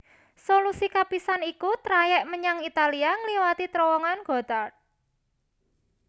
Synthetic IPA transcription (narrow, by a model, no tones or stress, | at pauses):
solusikapisanikut̪ɾajɛʔməɲaŋit̪aliaŋəliwat̪it̪ɾɔwɔŋanɡ̥ɔ̤t̪a